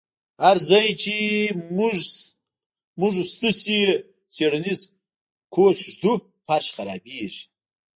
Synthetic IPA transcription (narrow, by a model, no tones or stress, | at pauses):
haɾd͡zajt͡ʃʰimuʐ | muʐst̪ɨsi | t͡sʰeɽaniz | kʰoːt͡ʃʐd̪u | pʰaɾʃχaɾa̰ːbeːʒi̥